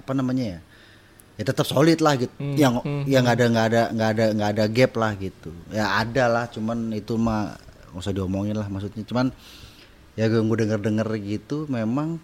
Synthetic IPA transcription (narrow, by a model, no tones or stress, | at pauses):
apanamaɲaja | jat̪ət̪əp̚solɪt̪̚lahɡit̪jaŋjaŋɡadaŋɡaːdaŋɡaːdaŋɡaːdaɡɛplahɡit̪ujaadalaht͡ʃumanit̪uma | ŋosɔhdiomoŋɪnlahmaks̬ut̪̚ɲat͡ʃuman | jaɡŋɡodəŋərdəŋərɡit̪umemaŋ